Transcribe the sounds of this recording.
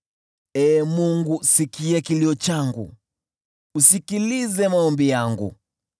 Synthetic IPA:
ɛːmuŋɡusikiɛkiliɔt͡ʃaŋɡṵ | usikilizɛmaɔmbijaŋɡṵ

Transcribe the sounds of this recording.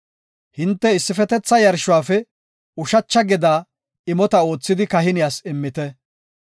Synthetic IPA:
hɪnt̪ːɛɪsːɪfɛt̪ɛt͡sːɐjɐɾʃʊwaːfɛ | ʊʃɐt͡ʃːɐɡɛd̪aː | ɪmɔt̪ɐo̞ːt͡sːɪd̪ɪkɐɦɪnɪjaːsɪmːɪt̪ɛ

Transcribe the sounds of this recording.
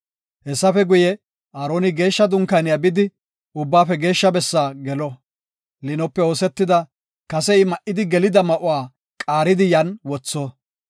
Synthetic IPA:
hɛsːɐfɛɡʊjɛ | ʔaːɾoːnɪɡe̞ːʃːɐd̪ʊŋkɐnɪjabɪd̪ɪ | ʊbːaːfɛɡe̞ːʃːɐbɛsːaːɡɛlɔ | lɪnɔpːɛo̞ːsɛt̪ːɪd̪ɐ | kɐsɛɪmɐʔɪd̪ɪɡɛlɪd̪ɐmɐʔʊwaː | kʼaːɾɪd̪ɪjɐnwɔt͡sːɔ

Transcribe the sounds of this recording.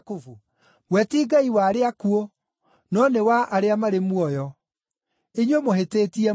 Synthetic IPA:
kofu | wɛtiːɡaiwaːɾeakuo | nɔnewaʔaɾeamaɾemwɔjɔ | eɲwemoɦeteːtiɛ

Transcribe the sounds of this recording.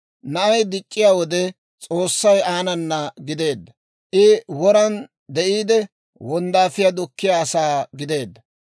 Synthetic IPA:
nɐʔɐjd̪ɪt͡ʃʼːɪjaːwɔd̪ɛ | t͡sʼo̞ːsːɐjaːnɐnːɐɡɪd̪e̞ːd̪ːɐ | ʔɪwɔɾɐn | d̪ɛʔiːd̪ɛ | wɔnd̪aːfɪjad̪ʊkːɪjaːsaːɡɪd̪e̞ːd̪ːɐ

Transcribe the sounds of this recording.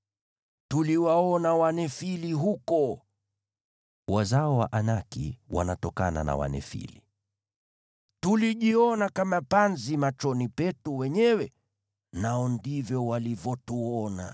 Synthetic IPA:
tuliwaɔnawanɛfiliɦukɔ | wazaɔwa̰ʔanakḭwa̰natɔkana̰na̰wa̰nɛ̰fḭli | tuliʄiɔnakamapanzimat͡ʃɔnipɛtuwɛɲɛwɛ | naɔndivjɔwalivɔtuɔna̰

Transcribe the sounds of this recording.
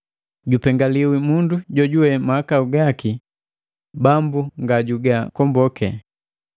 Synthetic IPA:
ɟupɛŋɡaliwimunduɟɔɟuwɛmahːkauɡaki | bambuŋɡaɟuɡakɔmbɔkɛ

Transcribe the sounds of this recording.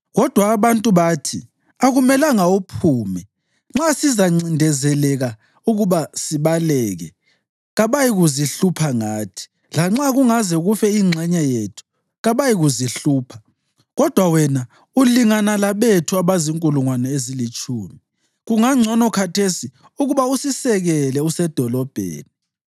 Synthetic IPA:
ɣɔd̥ʱwaːβantʼuβatʰi | aɣumɛlaŋaopʰuːmɛ | ŋ͡ǁasizaŋ͡ǀindʱɛzɛlɛɣa | uɣuβasiβalɛːɣɛ̰ | ɣaβajiɣuziɬupʰaŋaːtʰi̥ | laŋ͡ǁaɣuŋazɛɣufɛiŋ͡ǀʱɛɲajetʰu̥ | ɣaβajiɣuziɬuːpʰḁ | ɣɔd̥ʱwawɛna | uliŋanalaβetʰuaβaziŋkʼuluŋwanɛezilit͡ʃʼuːmi | ɣuŋaŋ͡ǀʱɔnɔkʰatʰesi | uɣuβausisɛɣɛlɛusɛd̥ʱɔlɔb̥ʱḛːni

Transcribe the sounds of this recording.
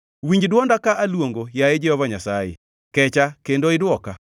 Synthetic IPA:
wiɲd͡ʒdwɔndakaʔalwoŋɡojaed͡ʒɛhɔvaɲasajḛ | kɛt͡ʃakendoɪdwɔka

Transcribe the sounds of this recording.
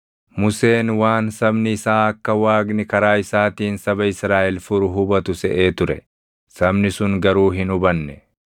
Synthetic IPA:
mʊse̞ːnwaːnsɐbnɪːsaːɐkːɐwaːɡnɪkɐɾaːɪsaːt̪iːnsɐbɐɪsɾaːʔɛlfʊɾʊɦʊbɐt̪ʊsɛʔe̞ːt̪ʊɾɛ̰ | sɐbnɪsʊŋɡɐɾuːɦɪnʊbɐnːɛ

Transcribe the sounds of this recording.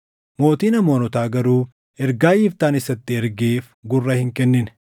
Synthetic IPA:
mo̞ːt̪iːnɐmo̞ːnɔt̪aːɡɐɾuː | ɛɾɡaːʔiːft̪aːnɪsɐt̪ːɪɛɾɡeːf | ɡʊrːɐhɪŋkɛnːɪn

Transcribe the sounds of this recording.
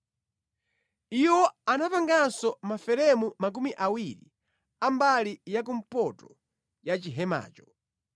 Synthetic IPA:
iwɔanapaŋɡansɔmafɛɾɛmumak̬umiʔawiɾḭ | ambalijak̬um̩pɔtɔ | jat͡ʃiɦɛma̰ːt͡ʃɔ̥

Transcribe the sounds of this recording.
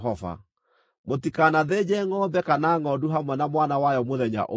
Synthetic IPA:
ɔva̰ | motikanaðed͡ʑɛŋɔːbɛkanaŋɔduɦamwɛnamwanawajɔmoðɛɲa̰ʔo

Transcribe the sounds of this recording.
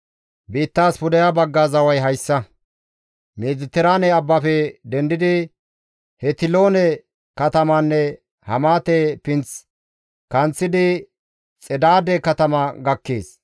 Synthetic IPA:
biːt̪ːaːspʊd̪ɐjabɐɡːaːzɐwɐjɦɐjsːɐ | meːzɪt̪ːɛɾaːnɛɐbːɐfɛd̪ɛnd̪ɪd̪ɪ | hɛt̪ɪlo̞ːnɛ | kɐt̪ɐmanːɛ | hɐmaːt̪epɪnt͡s | kɐnt͡sːɪd̪ɪ | t͡sʼɛd̪aːd̪ɛkɐt̪ɐmɐɡɐkːeːs

